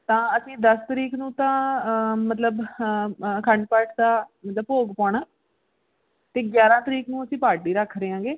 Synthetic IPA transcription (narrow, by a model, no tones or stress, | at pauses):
t̪ãːəsĩːd̪əst̪əɾiːknũːt̪ãːmət̪ləb | kʰəɳɖpəʈʰt̪ãːmət̪ləbpoːɡpaːɳaː | t̪eːɡjaːɾãːt̪əɾiːknũːəsĩːpaːʈiːɾəkʰːɾeːãːɡeː